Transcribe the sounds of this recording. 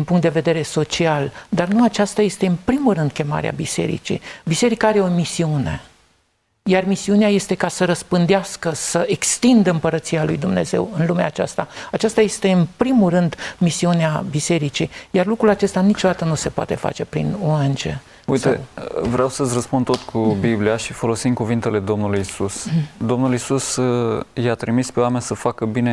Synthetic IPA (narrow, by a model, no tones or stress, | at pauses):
d̪inmpuŋkt̪d̪eve̞d̪e̞ɾe̞so̞t͡ʃiald̪arnuat͡ʃast̪aje̞st̪e̞ɨnpɾimulrɨnd̪̚kʲe̞ma̰ɾḛa̰bise̞̰ɾḭt͡ʃḭbise̞ɾikaaɾe̞o̞misiune̞̰ | jarmisiuneaje̞st̪e̞kasəɾəspɨnd̪easkəsəʔe̞kst̪ind̪əɨmpəɾət̪sijalujd̪umne̞̰ze̞̰wɨnlumeaːt͡ʃa̰st̪aat͡ʃast̪aje̞st̪e̞ɨnpɾimulrɨnd̪misiuneabise̞ɾit͡ʃijarlukɾulat͡ʃe̞st̪anit͡ʃo̞d̪at̪ənuse̞poa̰t̪e̞fa̰t͡ʃe̞pɾḭnoant͡ʃḛ | ujt̪evɾeawsəsrəspund̪t̪o̞t̪kʰubibliaʃifo̞lo̞simkuvint̪ele̞d̪o̞mnulujisusd̪o̞mnulisus | jat̪ɾimispe̞owamenʲsəfakəbine